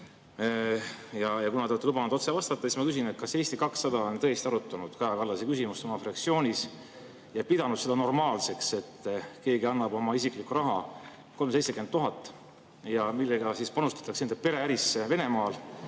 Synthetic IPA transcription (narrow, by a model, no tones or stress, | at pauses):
jɑjɑkunɑt̪et̪ːelub̥ɑnud̪ot̪se̞vɑst̪ɑt̪ːˑɑsismɑkys̬ine̞t̪̚kɑse̞ːst̪ikɑksːɑd̪ɑont̪ɤjest̪iɑɾut̪ːˑɑnud̪̥kɑjɑkɑlːɑsekysimust̪omɑfrɑk̪sio̞ːnʲis | jɑpid̪̥ɑnud̪̥se̞d̪ɑno̞rmɑːlse̞kse̞t̪ːke̞ːɡiɑnːɑbo̞mɑisiklikuɾɑɦɑ | ko̞lmse̞jt̪se̞kent̪ːuɦɑt̪ːˑ | jɑmilːeɡɑsispɑnust̪ɑ̥t̪ːˑɑksend̪epe̞ɾe̞æɾiseve̞ne̞mɑːl